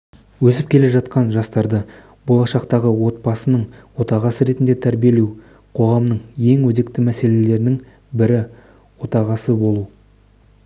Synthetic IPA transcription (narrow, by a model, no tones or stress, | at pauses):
wɵsɪp̚kʲʰe̞le̞ʒɑt̪̚qɑnʒɑst̪ɑɾd̪ə | bo̞lˠɑʃɑqt̪ɑʁəwo̞t̪̚bɑsənəɴwo̞t̪ɑʁɑsəɾe̞t̪ɪnd̪e̞t̪ʰæɾbije̞lew | qʰo̞ʁɑmnəɴje̞ŋwɵd̪e̞kt̪ɪmæse̞le̞le̞ɾɪnɪŋ | bɪɾɪ | wo̞t̪ɑʁɑsəbo̞lˠu